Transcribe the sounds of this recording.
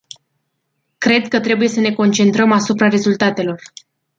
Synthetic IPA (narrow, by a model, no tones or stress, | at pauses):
kɾe̞d̪kət̪ɾe̞buje̞səne̞ko̞nt͡ʃe̞nt̪ɾəmasupɾaɾe̞zult̪at̪e̞lo̞r